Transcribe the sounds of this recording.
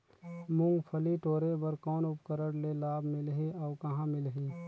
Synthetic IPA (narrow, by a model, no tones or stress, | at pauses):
mʊ̃ŋɡpʰəliʈoːɾebəɾkɔːnʊp̚kəɾəɽlelaːbʱmɪlɦeɔːkɐɦãmɪlɦeː